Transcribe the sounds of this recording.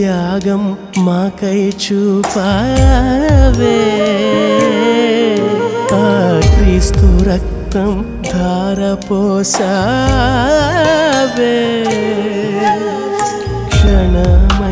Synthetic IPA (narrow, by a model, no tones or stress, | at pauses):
jaːɡɐmː | aːkɐjt͡ʃupa | ʋe | akɾiːst̪uɾɐk̚ | t̪ɐm | d̪ʱaːɾɐpɔːsa | ʋeː | kʂɐɳɐmɐ